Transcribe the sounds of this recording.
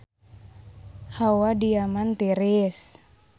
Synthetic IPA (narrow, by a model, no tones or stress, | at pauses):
hawadiamant̪iɾis